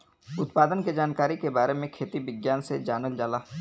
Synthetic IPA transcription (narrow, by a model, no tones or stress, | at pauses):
ʊt̪paːd̪ənked͡ʒaːnkaːɾikebaːɾemẽkʰeːt̪iʋɪɡjaːnsed͡ʒaːnəld͡ʒaːlaː